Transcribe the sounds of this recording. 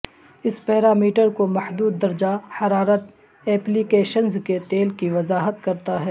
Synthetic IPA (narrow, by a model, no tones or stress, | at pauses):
ɪspɛːɾaːmiːʈəɾkomɐhd̪uːd̪ːɐɾd͡ʒahɐɾaːɾət̪ | ɛːplikeːʃənzket̪eːlkiʋɐzaːɦət̪kɐɾt̪aɦɛː